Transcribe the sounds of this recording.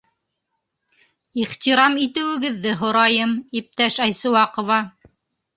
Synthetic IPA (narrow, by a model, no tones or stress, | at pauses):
iχt̪iɾɑmit̪ɘ̆wɘ̆ɡɘ̆ðːɘɦŏɾɑjɤmip̚t̪æʃæjsɤ̆wɑqŏvɑ